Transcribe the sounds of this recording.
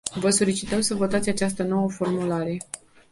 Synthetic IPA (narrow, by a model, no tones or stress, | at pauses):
vəso̞lit͡ʃit̪əmsəvo̞t̪at̪sʲat͡ʃast̪əno̞wəfo̞rmulaɾee